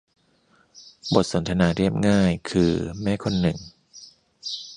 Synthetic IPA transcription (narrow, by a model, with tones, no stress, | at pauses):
bo˨˩t̪̚so˩˦nt̪ʰa˧naː˧ɾi˥˩əp̚ŋaː˥˩jkʰɯː˧mɛː˥˩kʰo˧nːɯ˨˩ŋ